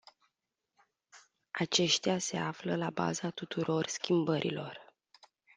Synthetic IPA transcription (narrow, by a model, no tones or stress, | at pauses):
at͡ʃe̞ʃt̪ease̞afləlaba̰zat̪ut̪uɾo̞rskʲimbəɾʔḭlo̞r